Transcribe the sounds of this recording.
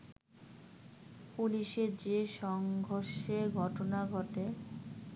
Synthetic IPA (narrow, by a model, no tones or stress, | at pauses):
puliʃed͡ʑeʃɔŋɡʱoɾʃeɡʱɔʈonaɡʱɔʈe